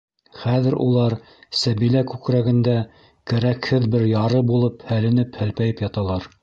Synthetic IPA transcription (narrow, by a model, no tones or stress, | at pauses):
χæðɘɾṵlˠɑɾ | sæβilækʉkɾæɡɘ̆nd̪æ | kæɾækhɘðbɘɾjɑɾɤbulˠɤphælɘ̆nɘphɘ̆lpæjɘpjɑt̪ɑlˠɑɾ